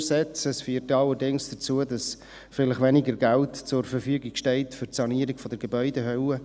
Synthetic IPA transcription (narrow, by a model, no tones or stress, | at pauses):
sɛt͡səsfyːtɑlːəɾdɪŋsd̥ət͡suːədɑs | fɪləχʋɛniɡəɾɡæltt͡sʊrfəɾfyːɡɪɡʃtɛɪtfʏɾtsɑniəɾiɡfɔd̥əɾɡebœʏdɛɦœwə